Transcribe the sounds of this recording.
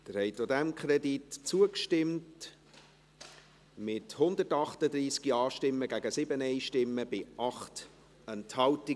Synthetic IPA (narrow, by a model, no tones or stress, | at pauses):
d̥̪əɾhɛɪtodɛmkʰχɾɛditt͡suəkʃtɪmt | mɪthʊndətɑχtədɾiːskiɑːʃtɪmːəɡæɡəsɪbənɛɪʃtɪmːəb̥ɪʔɑχt | ɛnthɑlti